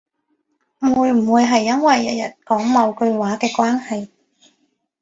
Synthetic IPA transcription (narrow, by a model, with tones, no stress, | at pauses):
m̩˨wuː˨˧jm̩˨˩wuː˨˧jɦɐ˨jːɐ˥nwɐ˨jːɐ˨˩t̚jɐ˨˩t̚kɔː˨˥ŋmɐ˨˧wkɵ˧ɥwaː˨˥kɛː˧kwaː˥nhɐ˨j